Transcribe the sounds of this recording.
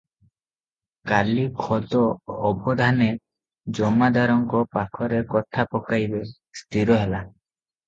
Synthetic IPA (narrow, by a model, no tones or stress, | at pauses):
kalikʰɔd̪ɔːbʱɔd̪ʱane | d͡ʒɔmad̪ʱaɾɔŋkɔpakʰɔɾekɔt̪ʰapɔkajbe | st̪ʰiɾɔɦela